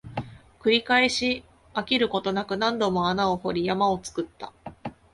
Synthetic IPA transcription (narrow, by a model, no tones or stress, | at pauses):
kɯ̟ɾʲikaeɕi | akʲiɾɯ̟ko̞t̪o̞nakɯ̟nãnd̪o̞mo̞anao̞ho̞ɾʲijamao̞t͡sɨ̥kɯ̟t̪ːa̰